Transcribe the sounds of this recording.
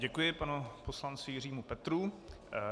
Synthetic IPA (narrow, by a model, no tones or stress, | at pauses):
ɟɛkujɪpanuposlant͡sɪjɪr̝iːmupɛt̪ɾu